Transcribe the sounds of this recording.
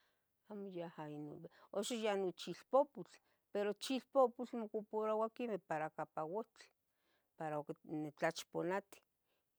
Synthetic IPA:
aːmojahaino̰noʃojanot͡ʃilpoput͡ɬ | peɾot͡ʃiɬpoput͡ɬmokupoɾawakimehpaɾakapawot͡ɬ | paɾaokenet͡ɬat͡ʃponat̪i̥

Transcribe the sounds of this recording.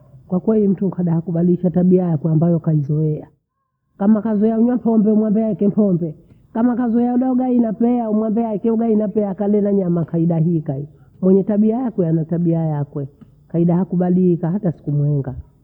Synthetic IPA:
kwakwɛlim̩tukaɗahakuɓaliʃataɓiajakwɛambajɔkaizɔɛa | kamakazɔjauɲwam̩pʰɔmbɛumwambɛaɛkɛm̩pʰɔmbɛ | kamakazɔɛjɛaɔɗauɡainapɛaumwambɛaikɛuɡainapɛakalɛnaɲamakaiɗaɦikai | mwɛɲɛtaɓiajakwɛanataɓiajakwɛ | kaiɗahakuɓalikahatasi̥kumwɛŋɡa

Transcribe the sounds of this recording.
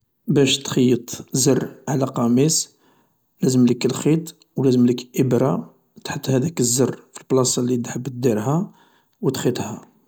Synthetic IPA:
bæʃt̪xijːət̪ˤzərˤːʕlæqɑmis | læzəmləkəlxit̪ˤ | wlæzəmləkʔəbɾɑ | t̪ħət̪ːˤhæd̪ækəzːərfilblɑsˤɑlid̪ħəbːt̪̚d̪iɾɦæ | wət̪xit̪ˤhæ

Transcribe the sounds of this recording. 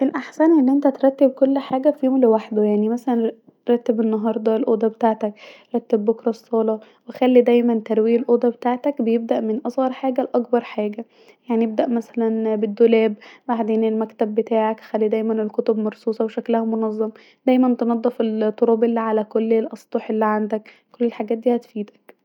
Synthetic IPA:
ʔelʔaħsænʔelːiʔent̪æt̪ɾˤɑt̪ːebkolːħaːɡæfihomlewaħd̪ojaʕnimæsælæn | ɾˤɑt̪ːebenːɑɦɑːɾˤd̪ˤɑelʔoːd̪ɑbet̪aːʕt̪ækɾˤɑt̪ːebːokɾˤɑsˤːɑːlɑ | wexælːid̪æjmænt̪æɾˤwiːelʔoːd̪ɑbet̪aːʕt̪ækbejeb̚d̪æʔmenʔɑsˤɣɑɾˤħaːɡælʔɑkbɑɾˤħaːɡæ | jaʕnijeb̚d̪æʔmæsælænbed̪ːolæːbbaʕd̪eːnelmækt̪æbːet̪aːʕakxælːid̪æjmænelkot̪obmɑɾˤsˤuːsˤɑweʃæklæhæmonɑzˤːɑmɑ | d̪̥æjmænt̪enɑd̪ˤːefelt̪ˤːoɾɑːbʔelːiːʕalækolːelʔɑsˤt̪ˤoħelːiʕand̪æk | kːolːelħaɡæːt̪̚d̪iːhæt̪fiːd̪æ̥k

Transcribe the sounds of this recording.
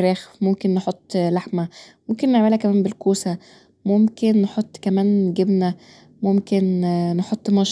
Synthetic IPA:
ræːxmomkenːeħot̪ˤːlaħmæmomkenːeʕmelhækæmæːmbelkoːsæ | momkenːeħot̪ˤːkæmæːnɡebnæ | momkenneħot̪ˤːmɑʃ

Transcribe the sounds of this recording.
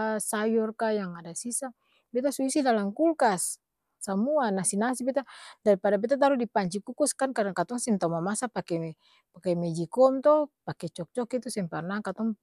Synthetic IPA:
asajɔrkajaŋadasisa | bɛt̪asuisidalaŋkulkasː | amuanasinasibɛt̪adaɾipadabɛt̪̬at̪̬aɾudipaɲt͡ʃikukuskankadakat̪ɔŋsɛnt̪aumamasapakɛɛ | pakɛmɛd͡ʒikɔmt̪ɔhpakɛt͡ʃɔk̚t͡ʃɔkit̪usɛmparnakat̪ɔŋ

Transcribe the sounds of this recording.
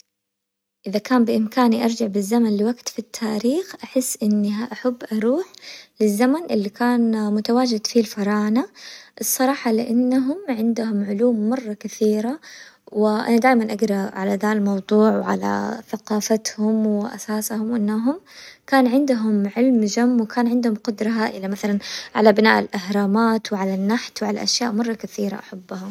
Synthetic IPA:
ʔɪðakaːmbɪʔɪmkaːniʔɑɾˤd͡ʒaʕbɪzːamanlɪwaɡt̪fit̪ʰːaːɾiːxʔaħɪsːʔɪnːiɦaʔaħabːʔɑɾˤuːħlɪzːamanʔɪlːikaːnmʊt̪awaːd͡ʒɪd̪filfɑɾˤɑːnaʔɨsˤːɑɾˤɑːħɑlɪʔanːaɦʊmʕɪnd̪ʊhʊmʕʊluːmːɑrˤːɑkɪθiːɾawɪʔa̰nad̪aːjmanʔaɡɾˤɑʕalad̪almɑwd̪ˤuːʕwʕa̰la̰θaqɑːfat̪hʊmwɪʔa̰saːshʊmwʔɪnːaɦʊmkaːnʕɪnd̪ʊɦʊmʕɪlmd͡ʒamːwɪkaːnʕɪnd̪hʊmqʊd̪ɾˤɑɦaʔɪlːamaθalanʕa̰labɪna̰ːʔɪlʔahɾˤɑːmaːt̪wʕalanːaħt̪wʕala̰ʔaʃjaːʔmɑrˤːɑkaθiːɾa̰ʔaħabːʊhʊm

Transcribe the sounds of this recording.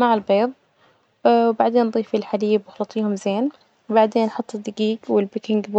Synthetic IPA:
maʕɪlbeːðˤ | wbaʕd̪eːnd̪ˤiːfilħaliːbwɪxɑlɑt̪ˤʰiːhʊmzeːn | wbaʕd̪eːnːħʊt̪ˤːɨd̪ːɪɡiːɡwɪlbɪkɪŋɡb

